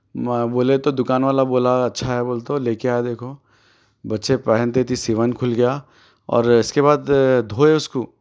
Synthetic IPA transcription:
boːlet̪od̪ʊkaːnʋaːlaboːlaɐtːʃʰaɦɛboːlt̪oleːkeaːɛd̪eːkʰo | bɐtːʃepɛɦənt̪et̪ʰisiʋənkʰʊlɡɐja | ɔ̰ːɾɪskebaːd̪d̪ʱoːeʊskoː

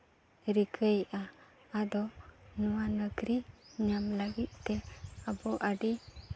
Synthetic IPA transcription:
ɾiɡʰəjʔaː | d̪ɔnuwanəɡɾiɲamləɡit̪̚t̪ɛabɔʔaɖi

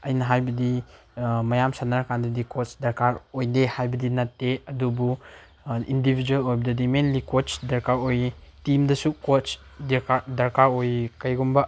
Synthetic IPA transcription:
ɐjnɐɦajbɐdi | mɐjamsanaɾkandɐdikot͡ʃdɐɾkaɾojdehajbɐdinɐtːeɐdubu | ḭndibʱid͡ʒuelojbɐdɐdimenlikot͡ʃdɐɾkaɾojtimdɐsukot͡ʃ | dkadɐɾkaɾojkɐjɡumbɐ

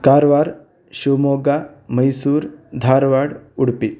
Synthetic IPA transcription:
kaɾʋaɾ | ɕumoɡaməjsuːɾd̪ʱaɾʋaɽuɽpi

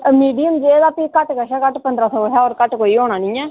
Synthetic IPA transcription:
miːɖijəmd͡ʒeːd̪aːpiːkəʈkəʃaːkəʈpənd̪ɾaːsɔːɦaːɔːɾkəʈkoːiːoːɽ̃aːnĩːɛː

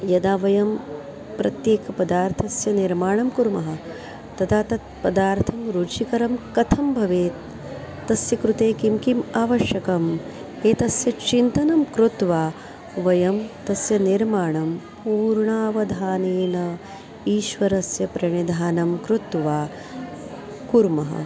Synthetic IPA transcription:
jɐd̪aːʋɐjɐm | pɾɐt̪jeːkɐpɐd̪aːɾt̪ʰɐsjɐniɾmaːɳɐmkuɾmɐɦɐ̆ | t̪ɐt̪ʰaːt̪ɐt̪pɐd̪aːɾt̪ʰɐmɾuːt͡ʃʰikɐɾɐmkɐt̪ʰɐmbʱɐʋeː | t̪ːɐsjɐkɾut̪eːkimkimaːʋɐʃjɐkɐm | eːt̪ɐsjɐt͡ʃint̪ɐnɐmkɾut̪ʋaː | ʋɐjɐmt̪ɐsjɐniɾmaːɳɐm | puːɾɳaːʋɐd̪ʱaːneːnɐ | iːʃʋɐɾɐsjɐpɾɐɳid̪ʱaːnɐmkɾut̪ʋaː | kuɾmɐɦɐ̰

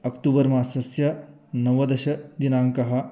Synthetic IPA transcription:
ɐkʈ̪uːbɐɾmaːsɐsjɐ | nɐʋɐd̪ɐɕɐd̪inaːŋkɐɦɐ

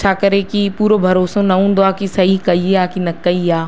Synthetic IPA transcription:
t͡ʃʰaːkɐɾekipuːɾobʱɐɾoːsõnɐɦũːnd̪oaːkisɐɦikɐieaːkinɐkːəiaː

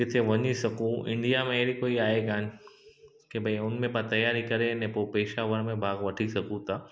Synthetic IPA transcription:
kɪt̪ʰeʋɐɲisɐkũɪ̰̃ɳɖijamẽeɾikoːiaːeɡaːn | kebʱɐiʊnmẽbat̪ɐjaːɾikɐɾenɛ̃popeːʃaʋəɾmẽbʱaːɡʋɐʈʰisɐkũt̪aː

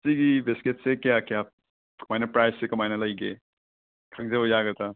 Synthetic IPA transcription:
siɡibesket̚sekjakja | kɐmajnɐpɾajssekɐmajnɐlɐjɡḛ | kʰɐɡ̚zeojaɡɐta

